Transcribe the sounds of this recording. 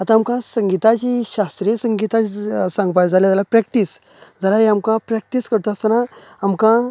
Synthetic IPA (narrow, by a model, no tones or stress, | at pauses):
at̪ãːmkãsəŋɡit̪at͡ɕiɕast̪ɾisəŋɡit̪at͡ɕisãŋɡpad͡zʱaljad͡zalapɾɛk̚ʈis | d͡zəɾaɦeamkãpɾɛk̚ʈiskəɾt̪oast̪ənaamkã